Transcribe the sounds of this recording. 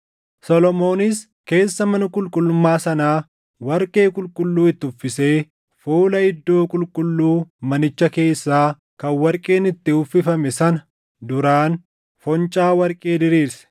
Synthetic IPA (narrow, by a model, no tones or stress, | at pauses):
sɔlɔmo̞ːnɪs | ke̞ːsːɐmɐnɐkʼʊlkʼʊlːʊmːaːsɐnaː | wɐɾkʼe̞ːkʼʊlkʼʊlːuːɪt̪ːɪʊfːɪse̞ː | fuːlɐɪd̪ːo̞ːkʼʊlkʼʊlːuːmɐnɪt͡ʃːɐke̞ːsːaː | kɐnwɐɾkʼe̞ːnɪt̪ːɪʊfːɪfɐmɛsɐnɐ | d̪ʊɾaːn | fɔnt͡ʃʼaːwɐɾkʼe̞ːd̪ɪɾiːɾsɛ̥